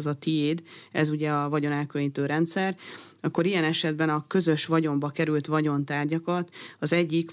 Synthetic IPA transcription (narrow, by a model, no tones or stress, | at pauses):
zɒt̪ieːd̪ɛzuɟɛɒvɒɟo̞nɛlkølɲiːt̪øːɾɛnt̪sɛrɒkːo̞ɾijɛnɛʃɛd̪bɛnɒkø̞zø̞ʃʋɒɟo̞mbɒkɛɾylt̪ʋɒɟo̞nt̪aːrɟɒkɒt̪ɒzɛɟːik